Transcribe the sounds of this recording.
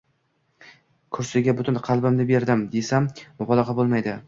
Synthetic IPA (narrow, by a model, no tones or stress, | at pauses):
kʰʊɾsɪɡʲabʊt̪ʊɪnqʰɑlˠbɪmnɪbe̞ɾd̪ɪmd̪e̞sambɒbɒlˠɑqɑbolˠmajd̪ɪ